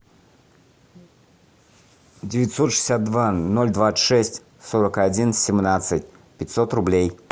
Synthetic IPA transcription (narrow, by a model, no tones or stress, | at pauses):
dʲɪvʲɪt̪ʲsot̪ʂɨ̥sʲat̪̚d̪vanolʲd̪vaɨ̥ʂɛsʲtʲ | soɾəkadʲinsʲɪmnat̪sɨtʲ | pʲɪtʲsot̪rʊblʲej